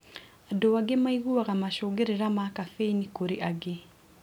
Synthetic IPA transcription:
adɔwaɡemaiɣuaɣamaʃoɡeɾeɾamakafeinikoɾeʔaɡe

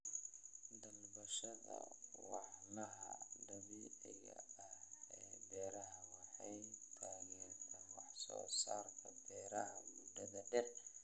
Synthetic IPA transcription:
d̪ɐlbɐʃɐðɐ̰wɑħnɐɦɐ̰d̪ɐβiːʕɪɣɐ̰ɐhɛːbɛːɾɐɦɐwɑħɑjt̪ʰaːɣɛrt̪ʰaːnwɑħsɔ̰ːsaːrt̪ʰɐbɛːɾɐhɐmud̪ɐðɐɖɛr

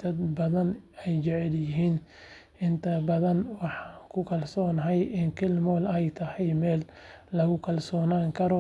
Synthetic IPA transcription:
d̪ɐd̪bɐðɐnɛjt͡ʃɛʕɛljɪɦiːn | ɪnt̪ʰɐbɐðɐnwɑħɑːŋkʰʊkʰɐlsɔːnɐɦɛjʔɪnkʰɪlmɔːlɛjt̪ʰɐhɛjmɛːlː | ɐɣʊkʰɐlsɔːnaːŋkʰɐɾɔ

